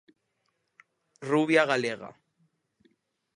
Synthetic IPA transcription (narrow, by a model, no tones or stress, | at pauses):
ruβjaɣaleɣa̰